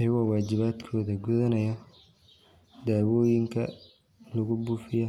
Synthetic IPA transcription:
ɐjɐɣɔːwaːt͡ʃɪβaːd̪kʰɔːðɐɡuðɐnɐjɔ | d̪aːwɔːjɪŋkʰɐ | lɐɣʊbuːfɪjɔ

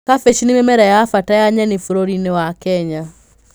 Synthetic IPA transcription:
kafeʃinimemɛɾajaːfatajaɲɛnefuɾoɾinewakɛɲa

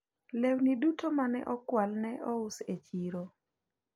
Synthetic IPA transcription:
lewnidutʰomanɛ̰ʔɔkwalnɛʔɔʊset͡ʃiɾo

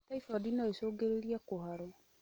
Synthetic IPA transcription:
taifɔdinaesoːɡeɾeɾiakoɦaɾɔ

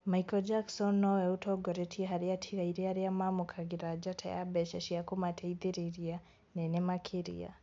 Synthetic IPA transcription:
maikɔd͡ʒaksɔnːɔwɛutʰɔɡɔɾɛtʰiɦaɾiatʰiɣaiɾiaɾiamamɔkʰaɡiɾad͡ʒatʰɛ̰ja̰bɛʃɛʃiakumatʰɛiðiɾiɾia | nɛnɛmakʰiɾḭa̰

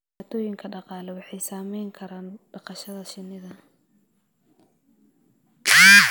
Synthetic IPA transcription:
aːt̪ʰɔːjɪŋkʰɐɖɑqɑːlɛwɑħɑjsaːmɛjŋkʰɐɾaːnb̥ɑqɑʃɐðɐʃɪnːɪðɐ

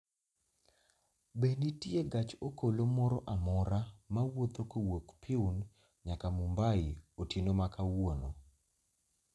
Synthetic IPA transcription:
benitieɡat͡ʃokolomɔɾɔʔamɔɾamawot̪okowokpʰiun | ɲakamumbaɪotinomakawono

